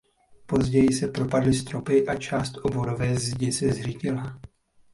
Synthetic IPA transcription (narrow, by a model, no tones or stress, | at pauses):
po̞zɟɛjɪsɛpɾo̞padlɪst̪ɾo̞pɪʔat͡ʃaːst̪ʔo̞boɾovɛːzɟɪsɛzrɪcɪla